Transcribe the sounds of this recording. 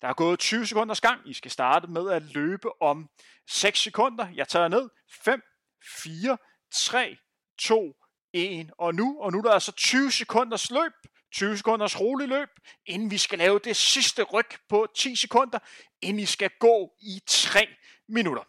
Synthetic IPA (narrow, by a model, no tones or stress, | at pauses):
d̥ɑ̈hɑ̈ɡ̥ɔ̽ːð̞̩ˠt͡sʰyːʊsekʰɔ̽n̰d̥ɐsɡ̥ɑ̈ŋ̰isɡ̥æsd̥ɑ̈ːd̥əmeð̞ˠæløːb̥əʔɒ̽m | seɡ̥sːekʰɔ̽n̰d̥ɐjɑ̈ɪt͡sʰɑ̰ːɐne̝ð̞̰ˠ | fem̰ | fiːɐ | t͡sʰʁɛ̰ː | t͡sʰo̝̰ː | e̝nɒ̽nuɒ̽nud̥ɑæsɒ̽t͡sʰyːʊsekʰɔ̽n̰d̥ɐslø̰ːb̥̚ | t͡sʰyːʊse̥kʰɔ̽n̰d̥ɐsʁoːlilø̰ːb̥̚e̝nn̩ʋisɡ̥ælɛːʊd̥e̝sisd̥əʁœɡ̥pʰɒ̽t͡sʰḭːsekʰɔ̽n̰d̥ɐ | e̝nisɡ̥æɡ̥ɔ̰ːit͡sʰʁɛ̰ː | minuɾ̥ɐ